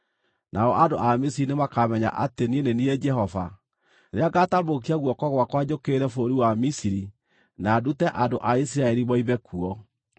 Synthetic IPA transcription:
nʔaɔʔando̰ʔamisiɾinemakamɛɲa̰ʔatenieneniɛd͡ʒɛɦɔva̰ | ɾeaɡatamok̬iaɣwɔkɔɣwakwad͡ʑokeɾɛfoɾiwamisiɾi | naːdutɛʔandoʔais̬iɾaɛɾimɔiβɛkʰuɔ

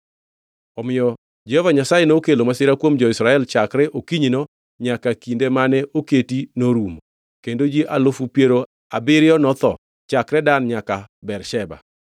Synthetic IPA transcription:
ɔmɪjɔ | d͡ʒɛhovaɲasajenokelomasɪɾakwomd͡ʒɔɪsɾaɛlt͡ʃakɾɛʔokiɲino | ɲakakindemanɛʔoketinoɾum | kendod͡ʒiʔalofupjeɾo | abɪɾɪjɔnɔt̪ɔ̰ | t͡ʃakɾɛdanɲakabɛɾʃɛba̰

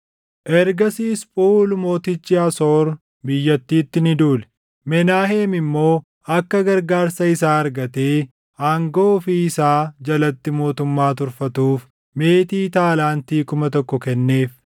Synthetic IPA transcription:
ʔɛɾɡɐsiːspʼuːlmo̞ːt̪ɪt͡ʃːɪɐsoːɾ | bɪjːɐt̪ːiːt̪ːɪnɪd̪uːlɛ̥ | mɛnaːheːmɪmːo̞ː | ɐkːɐɡɐɾɡaːɾsɐɪsaːɐɾɡɐt̪eː | aːŋɡoːfiɪsaːd͡ʒɐlɐt̪ːɪmo̞ːt̪ʊmːaːt̪ʊɾfɐt̪uːf | me̞ːt̪iːt̪aːlaːnt̪iːkʊmɐt̪ɔkːɔkɛnːe̞ːf

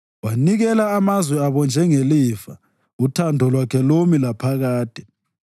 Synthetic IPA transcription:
waniɣɛlaːmazwɛaβɔnd͡ʒʱɛŋelifa | utʰandʱɔlwakʰɛlomilapʰaɣaːd̥ʱɛ

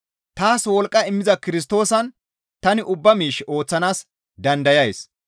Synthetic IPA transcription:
t̪aːswɔlkʼːɐɪmːɪzɐkɪɾɪs̬t̪o̞ːsɐn | t̪ɐnɪʔʊbːɐmiːʃːɪʔo̞ːt͡sːɐnaːs | d̪ɐnd̪ɐjɐjs

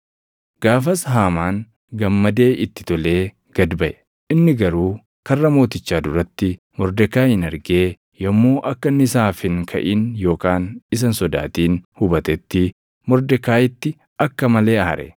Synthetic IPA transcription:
ɡ̥aːfɐsɦaːmaːn | ɡɐmːɐd̪e̞ːʔɪt̪ːɪ̥t̪ɔle̞ː | ɡ̥ɐd̪bɐʔɛ̥ | ʔɪnːɪɡɐɾuː | kɐrːɐmo̞ːt̪ɪt͡ʃːaːd̪ʊɾɐt̪ːɪ | mɔɾd̪ɛkːaːhɪnɐɾɡeː | jɐmːo̞ːʔɐkːɐnːɪsaːfɪŋkʰɐ̰ʔiːnjo̞ːkaːnɪs̬ɐnsɔd̪a̰ːt̪iːnhʊbɐt̪ɛt̪ːɪ | mɔɾd̪ɛkːaːjɪt̪ːɪ | ɐkːɐmɐle̞ːɐhɐ̰ɾʔɛ̰

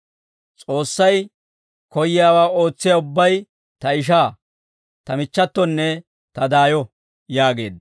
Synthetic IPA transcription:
t͡sʼo̞ːsːɐj | kɔjɪjaːwaːo̞ːt͡sːɪjaʊbːɐj | t̪ɐɪʃ̬aː | t̪ɐmɪt͡ʃːɐt̪ːɔnːɛ | t̪ɐd̪aːjɔ | jaːɡe̞ːd̪

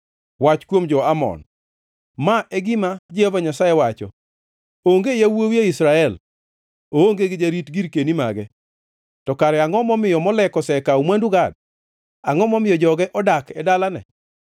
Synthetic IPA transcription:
wat͡ʃkwomd͡ʒɔamɔ̰n | maʔɛɡɪmad͡ʒiavaɲasaewat͡ʃɔ̰ | oŋɡejawoweisɾaɛl | ooŋɡeɡɪd͡ʒaɾitɡiɾkenima̰ɡɛ | tɔkaɾɛaŋɔmɔmɪjɔmɔlɛkɔsɛkaumwanduɡad̚ | aŋɔmɔmɪjɔd͡ʒɔɡɛʔɔdakɛdalanɛ̰

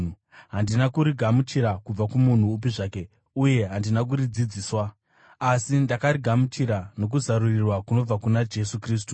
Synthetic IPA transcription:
ɦandinakuɾiɡʱamut͡ʃiɾakub͡vakumun̤uːp̬iʐaːke̞ | uje̞ɦandinak̬uɾid͡zid͡ziːswa | asindakaɾiɡʱamut͡ʃiɾano̞k̬uzaɾurirwakuno̞b͡vakunad͡ʒe̞sukriːs̬tu

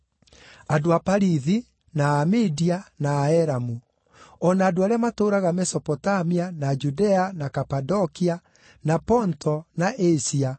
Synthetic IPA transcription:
adoapaɾiði | naːmidianaːɛɾamu | ɔnaːdoaɾeamatoːɾaɣamɛsɔpɔtamianad͡ʒudɛanakapadɔkia | napɔntʰɔnaʔesia

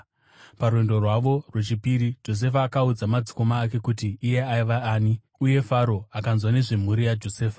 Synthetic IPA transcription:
paɾuwendo̞rwaʋo̞rwe̞t͡ʃipiɾid͡ʒo̞s̬e̞faːkaud͡zamad͡zi̥ko̞maːke̞kutiːje̞aiʋaaːni | uje̞faɾo̞akanzwane̞ʐem̤uɾijad͡ʒo̞seːfa

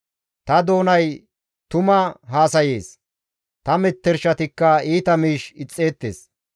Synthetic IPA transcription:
t̪ɐd̪o̞ːnɐj | t̪ʊmɐɦaːsɐjeːs | t̪ɐmɛt̪ːɛɾʃɐt̪ɪkːɐiːt̪ɐmiːʃɪt͡sʼːe̞ːt̪ːḛːs

